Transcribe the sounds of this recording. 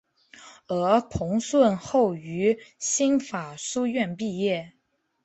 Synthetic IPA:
ə˞˧˥pʰʊ˧˥ŋswə˥˧nxo˥˩ʊy˧˥ɕi˥nfa˨˩su˥ɥɛ˥˧npi˥˧jɛ˥˩

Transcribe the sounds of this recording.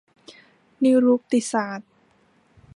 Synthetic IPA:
ni˧˦˥ɾuː˦˥k̚t̪i˨˩saː˨˩˦t̪̚

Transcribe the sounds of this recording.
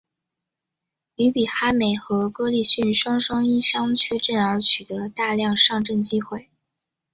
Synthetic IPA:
y˧˥pi˨˩xa˥me˨˩ɪxɤ˧˥kɤ˥li˥˧ɕy˥˩nʂwɑ˥ŋʂɑ˥ŋi˥ʂɑ˥ŋt͡ɕʰɥɛ˥˧ʈ͡ʂə˥˩nə˞˧˥t͡ɕʰy˨˩t̪ə˧˥t̪a˥˧ljɑ˥˧ŋʂɑ˥˧ŋʈ͡ʂə˥˩nt͡ɕi˥xwe˥˩ɪ

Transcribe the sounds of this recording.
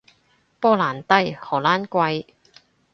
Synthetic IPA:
pɔː˥laː˨˩nt̪ɐ˥jhɔː˨˩laː˥nkʷɐ˧j

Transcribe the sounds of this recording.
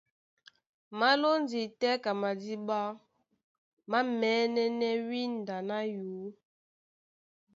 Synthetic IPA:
ma˦lo˦n˦di˨tɛ˦ka˨ma˨di˦ɓa˦ | ma˦mɛ˨˦nɛ˦nɛ˦wi˦n˨da˨na˦juː˨˦

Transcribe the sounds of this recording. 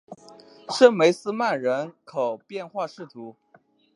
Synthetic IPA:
ʂə˥˩nme˧˥ɪsɹ̩˥ma˥˩nɻə˧˥nkʰo˨˩ʊpjɛ˥˧nxwa˥˧ʂɻ̩˥˩t̪ʰu˧˥

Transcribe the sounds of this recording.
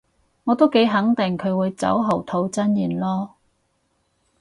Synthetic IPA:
ŋɔː˨˧t̪o˥wke˨˥jɦɐ˨˥ŋt̪ɪ˨˩ŋkʰɵ˨˧ɥwuː˨˧jt͡sɐ̰˨˥wɦo˨˩wt̪ʰo˧wt͡sɐ˥njiː˨˩nlɔː˥

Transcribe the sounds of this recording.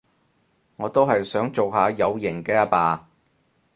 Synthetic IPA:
ŋɔː˨˧t̪o˥wɦɐ˨jsœː˨˥ŋt͡so˨wɦaː˨˧jɐ˨˧wjɪ˨˩ŋkɛː˧ɐ˥paː˧

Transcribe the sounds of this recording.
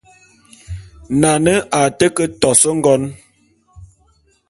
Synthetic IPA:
na˨nə˦a˨tə˦kə˦tɔ˨sə˦ŋ̩˦ɡɔ˦n

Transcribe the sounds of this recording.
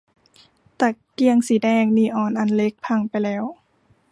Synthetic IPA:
t̪a˧˩ | ki˧əŋsi˨˦dɛː˧˩ŋniː˧˩ʔɔː˨˩nʔa˨˩nle˧˥k̚pʰa˧˥˩ŋpa˨jlɛː˦˥w

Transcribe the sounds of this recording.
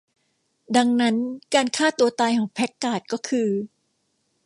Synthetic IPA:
da˧ŋna˦˥nkaː˧nkʰaː˥˩t̪u˧ɐt̪aː˧jkʰɔː˩˦ŋpʰɛ˦˥kːaː˨˩t̪̚kɔː˥˩kʰɯː˧

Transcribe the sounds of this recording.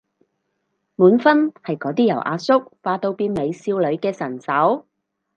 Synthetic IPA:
muː˨˥nfɐ˥nhɐ˨jkɔː˨˥t̪iː˥jɐ˨˩wʔa̰ː˧sʊ˥k̚faː˨˧t̪o˧wpiː˧nme˨˧jsiː˧wlɵ˨˧ɥkɛː˧sɐ˨˩nsɐ˨˥w

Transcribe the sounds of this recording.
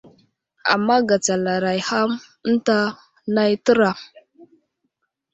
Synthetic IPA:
a̰˨mːa˦ɡa˨t͡sa˨la˨ɾa˨jha˦m | n̩˦ta˦ | na˦jtə˦ɾa˨

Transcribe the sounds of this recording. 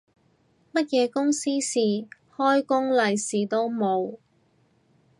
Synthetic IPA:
mɐ˥t̚jɛː˨˧kʊ˥ŋsiː˥siː˨ | hɔː˥jkʊ˥ŋlɐ˨jsiː˨˩t̪o˥wmo˨˧w

